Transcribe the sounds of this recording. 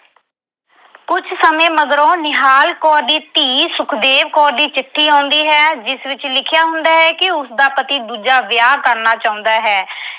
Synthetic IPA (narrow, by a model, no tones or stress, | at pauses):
kʊt͡ʃʰsəmẽːməd̪ɾõːnɪɦaːlkɔːɾd̪iːt̪iːsʊkʰd̪eːʋkɔːɾd̪iːt͡ʃɪʈʰːiːɦãːʊnd̪iːɦɛːd͡ʒɪsʋɪt͡ʃlɪkʰjaːɦʊ̃nd̪aːɦɛːkɪʊsd̪aːpət̪iːd̪uːd͡ʒaːʋɪjaːkəɾnaːt͡ʃaːʊ̃ːnd̪aːɦɛː